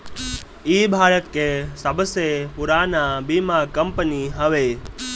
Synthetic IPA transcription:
iːbʱaːɽət̪kesəbəsepʊɾaːnabimakəmpəniɦəʋe

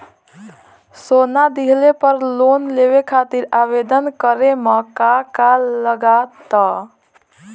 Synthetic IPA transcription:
sonad̪iɦlepəɾlonlebekʰat̪iɾabed̪ənkəɾemekakaləɡat̪ɔ

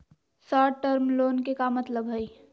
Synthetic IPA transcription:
sɔːʈəɾmloːnkekamət̪ləbɦəi

